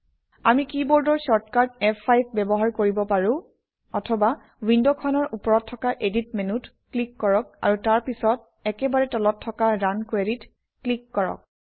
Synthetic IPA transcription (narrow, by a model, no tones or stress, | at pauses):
amikibɔɹdɔɹsɔɹtkaɹtɛpʰajp̚bɛbɔɦaɹkoɹibɔpaɹʊ̃ | ɔtʰɔba | windokʰɔnɔɹupɔɹɔtʰːɔkaʔedit̚menut | klikːɔɹɔk̚a̰ɹutaɹpisɔt̚ | ɛkɛbaɹɛtɔlɔtʰːɔkaɹankweɹit | klikːɔɹɔ̰k̚